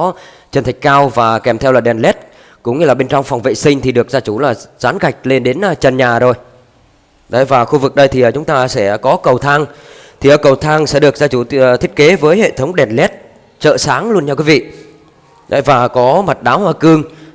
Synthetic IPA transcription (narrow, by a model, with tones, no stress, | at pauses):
t͡ɕə˨˩nt̪ʰa˨˩k̟̚kaː˧wvaː˨˩kɛ˨˩mt̪ʰɛ˧wlaː˨˩ɗɛ˨˩nlɛ˦˥t̚ | kʊ̰˧˥ŋ͡mɲɨ˧laː˨˩ɓe˧nt͡ɕwŋ͡mfɔ˨˩wŋ͡mvḛ˧˨sï˧ŋ̟t̪ʰi˨˩ɗɨ˨˩ək̚zaː˧t͡ɕu˧˩laː˨˩z̥aː˨˦nɣa˨˩jk̟̚le˧nɗe˨˦nʔt͡ɕə˨˩nɲaː˨˩zo˨˩j | ɗə̰˨˧˦jvaː˨˩xu˧vɨ˨˩k̚ɗə˧jt̪ʰi˨˩ʔəː˨˩t͡ɕʊ˨˦ŋ͡mt̪aː˧sɛ̰˧˩kɔ˨˦kə˨˩wt̪ʰaː˧ŋ | t̪ʰi˨˩ʔəː˨˩kə˨˩wt̪ʰaː˧ŋsɛ̰˧˥ɗɨ˨˩ək̚zaː˧t͡ɕu˧˩˨t̪ʰi˦˥t̚ke˨˦vəː˨˦jhḛ˧˨t̪ʰə˨˦wŋ͡mɗɛ˨˩nlɛ˦˥t̚ | t͡ɕə̰ː˧˨saː˨˦ŋlu˧ənt͡ɕaː˧kwi˨˦vḭ˧˨ | ɗə̰˨˦jvaː˨˩kɔ˨˦ma˨˩t̚ɗaː˨˦whwaː˧kɨ˧əŋ